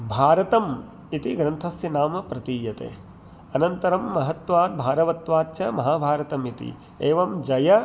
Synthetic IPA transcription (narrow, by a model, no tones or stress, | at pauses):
bʱaːɾɐt̪ɐm | it̪iɡɾɐnt̪ʰɐsjɐnaːmɐpɾɐt̪iːjɐt̪ḛː | ɐnɐnt̪ɐɾɐmːɐɦɐt̪ʋaːt̪̚bʱaːɾɐʋɐt̪ʋaːtːt͡ʃɐmɐɦaːbʱaːɾɐt̪ɐmit̪ḭ | eːʋɐmd͡ʒɐjɐ